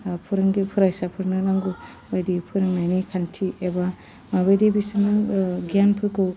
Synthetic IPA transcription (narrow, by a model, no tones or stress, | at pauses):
pʰɯɾɯŋɡipʰɯɾajsapʰɯɾnɯnaŋɡu | bajdipʰɯɾɯŋnajnikʰantʰieba | maβajdibisɯnɯɡianpʰɯɾkɯw